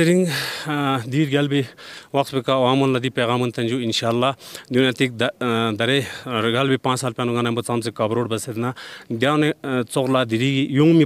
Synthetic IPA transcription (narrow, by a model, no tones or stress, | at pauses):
iɾiŋɡ | d̪iːɾɡʲalbiʋɐkt̪bikaʋaːmunlɐd̪ipeːɣaːmunt̪ɐnʲd͡ʒuinʃaːlːad̪junaːt̪ik̚d̪d̪ɐɾeɡalbipãːt͡ʃsaːlpʲaːnuɡanɐmbɐt͡samsekɐbɾoːɽbɐsed̪nad̪jaːwnet͡soklaːd̪iɾiɡijuŋmi